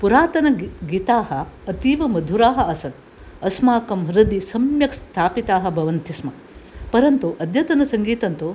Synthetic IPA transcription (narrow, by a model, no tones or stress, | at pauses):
puɾaːt̪ɐnɐɡiːt̪aːɦɐːt̪iːʋɐmɐd̪ʱuɾaːɦɐʔɐsɐn | ɐsmaːkɐmɦɾɐd̪isɐmjɐkst̪ʰaːpit̪aːɦɐ̆bʱɐʋɐnt̪ismɐ | pɐɾɐnt̪uʔɐd̪ʱjɐt̪ɐnɐsɐŋɡiːt̪ɐnt̪u